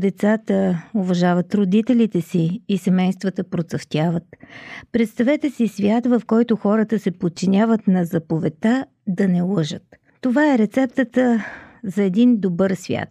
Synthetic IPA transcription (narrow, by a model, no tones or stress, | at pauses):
d̪ɛt̪sat̪əovɐʒavət̪ɾod̪it̪ɛlit̪ɛsiːsɛmɛjst̪vət̪əpɾot̪səft̪ʲavət̪pɾɛt̪st̪ɐvɛt̪ɛsisvʲjat̪vɐfkɔjt̪ʊxɔɾət̪əsɛpot̪̚t͡ʃinʲavət̪nɐzɐpovɛt̪a | d̪ɐnɛlˠɤʒət̪ː | ovaɛɾɛt̪sɛp̚t̪ət̪əzɐɛd̪ind̪obɤɾsvʲja̰t̪